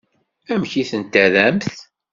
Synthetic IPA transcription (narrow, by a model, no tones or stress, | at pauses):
æmçiθənt̪ːæðæmθ